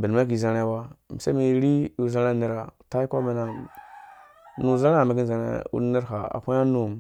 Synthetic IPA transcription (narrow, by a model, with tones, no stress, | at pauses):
bi˨n˨ma˦ki˨za˨ɾe˦˨wa˦m˨sa˦mi˨ɾi˦ju˨za˦ɾa˦˨ni˦˨ɾa˨ta˦i˦ko˦mi˨na˨ | nu˨za˦ɾa˦˨mi˨ɡi˦nza˨ɾḛ˦ṵ˦ni˦ɾɦa˨a̰˨kʷu˦ja˦nu˨m